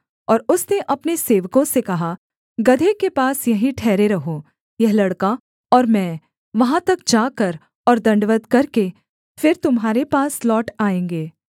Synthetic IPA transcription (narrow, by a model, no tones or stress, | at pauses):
ɔːɾʊsneʔɐpneseːʋkõsekɐɦa | ɡɐd̪ʱekepaːsjɐɦĩʈʰɛːɾeɾɐɦo | jɐɦlɐɽka | ɔːɾmɛ̃ː | ʋɐɦãt̪ɐk̚d͡ʒaːkɐɾ | ɔːɾd̪ɐ̃ɳɖʋəd̪kɐɾke | fɪɾt̪ʊmɦaːɾepaːslɔːʈaːẽːŋɡeː